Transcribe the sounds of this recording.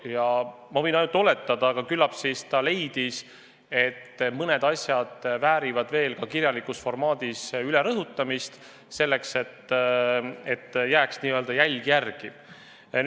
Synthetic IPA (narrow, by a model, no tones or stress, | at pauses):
jɑ | mɑvɤ̞jnɑjnut̪ːo̞le̞t̪ːˑɑd̪̥ɑːɡ̥ɑkylːɑpsist̪ɑle̞jd̪̥is | e̞t̪ːmɤne̞d̪̥ɑsʲjɑd̪̥væːɾivɑd̪̥ve̞ːlkɑkiɾʲjɑlikˑusfo̞rmɑːd̪̥isyleɾɤɦut̪ːˑɑmist̪ | se̞lːe̞kse̞t̪ː | e̞t̪ːjæːksniːøld̪ɑjælʲɡ̥ijærɡ̥i